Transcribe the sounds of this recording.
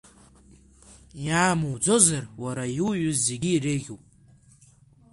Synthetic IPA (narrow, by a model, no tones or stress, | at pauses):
jaːmud͡zo̞zarwaɾajuwɥʊzːe̞ɡʲiːrɨɣʲupʼ